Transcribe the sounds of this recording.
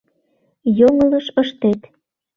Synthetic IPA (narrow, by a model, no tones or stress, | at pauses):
joŋə̆ləʃəʃt̪et̪